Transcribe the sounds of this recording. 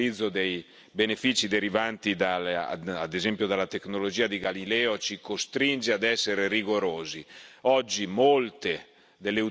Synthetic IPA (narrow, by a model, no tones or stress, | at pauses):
id̪zːod̪ej | benefiːt͡ʃid̪eɾivant̪id̪aa̰d̪ezɛmpjod̪alːat̪eknolod͡ʒiːad̪iɡalilɛːot͡ʃikost̪ɾind͡ʒead̪ɛsːeɾeriɡoɾoːziɔd͡ʒːimolt̪e | d̪elːeu